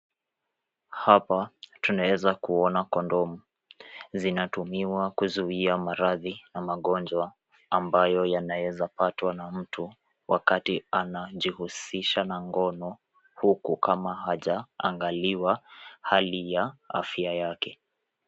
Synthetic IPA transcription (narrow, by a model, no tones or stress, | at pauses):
hapatunawɛzakuɔnakɔndɔmu | zinatumiwakuzuiamaɾaðinamaɠɔnd͡ʒwaː | mbajɔjanawɛzapatwanam̩tʰu | wʔakatianaʄihusiʃanaŋɡɔnɔ | hukukʰamahaʄaa̰ŋɡaliwahalijaa̰fiajakɛ